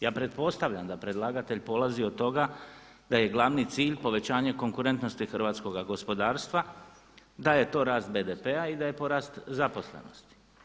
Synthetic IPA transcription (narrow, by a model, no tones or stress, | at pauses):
jaːpɾe̞t̪̚po̞st̪aʋʎamd̪apɾe̞d̪lˠaːɡat̪e̞ʎpo̞lˠaziot̪t̪ːo̞ɡa | d̪aje̞ɡlˠaʋnit̪siːʎpo̞ʋe̞t͡ɕaːɲeko̞ŋkuɾe̞nt̪no̞st̪ixrʋaːt̪sko̞ɡaɡo̞spo̞d̪aːɾst̪ʋa | d̪aje̞t̪o̞ːɾaːst̪̚be̞d̪epeaid̪aje̞po̞ɾaːst̪zapo̞slḛno̞̰st̪i̥